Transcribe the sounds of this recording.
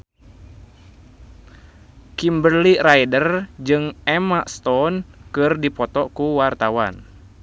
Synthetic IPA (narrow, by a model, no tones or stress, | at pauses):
kimbərlirajdərd͡ʒɨŋɛmaʔst̪ɔnkɨrdipɔt̪ɔkuwart̪awa̰n